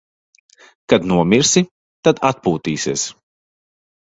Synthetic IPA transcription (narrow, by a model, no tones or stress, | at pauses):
kad̪nuɔmiɾsi | t̪ad̪at̪̚puːt̪ḭːsiɛs